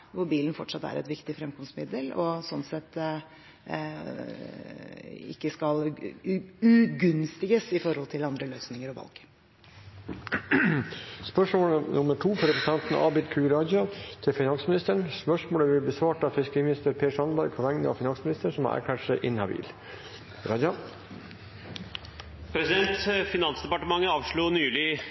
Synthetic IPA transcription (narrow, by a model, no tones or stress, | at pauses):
ʋʊɾbiːln̩fɔʈʂɑt̪ːæ̰ɾɛ̰t̪ʋɪkt̪ɪfɾɛmkʰɔmsmɪd̪əlɔsɔnsɛt̪ː | ɪ̰kːəskɑl | ʉɡʉnst̪ɪɡəsɪfɔɾhɔlt̪ʰɪlɑnd̪ɾəløːsnɪŋəɾɔʋɑ̰lɡ̥ | spœʂmoːlənʔʊməʈʰuːfɔɾɛpəsɑnt̪n̩ʔɑ̰ːbɪd̪kʰʉːɾɑd͡ʒɑt̪ʰɪlfɪnɑnsəmɪnɪst̪əɳspœʂmoːləʋɪlbəsʋɑːʈɑfɪskiːmɪnɪst̪əɾpʰeːʂɑnbɑɾɡ̚pʰɔʋæŋnəɑ̰fɪnɑŋsmɪnɪst̪əɳʂsɔmɑ̰ʔæ̰ːɾkʰæːʈʂæɪʔɪnhɑbḭːl | ɾɑdɑ | pʰɾɛsɪd̪ɛnt̪fɪnɑnsd̪ɛpɑʈəmɑŋːəɑːʋʂɭuːnyːlɪ